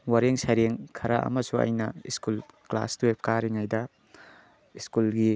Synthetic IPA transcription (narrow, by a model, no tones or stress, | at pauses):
waɾeŋsajɾeŋkʰɐɾɐʔɐ̰mɐsuɐ̰jnɐiskulkla̰stuwep̚kaɾiŋajdɐ | iskulɡi